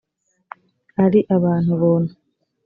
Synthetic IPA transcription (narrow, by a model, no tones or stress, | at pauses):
aɾiʔaβaːn̥huβoːnu